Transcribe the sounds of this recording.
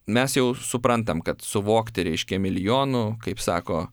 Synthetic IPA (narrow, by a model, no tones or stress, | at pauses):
mʲɛsjɛʊsʊpɾɐnt̪̬ɐmkɐt̪sʊʋoːkt̪ʲɪɾʲɛɪʃʲkʲɛmʲɪlʲɪjoːnʊkɐɪpsɑ̰ːkoː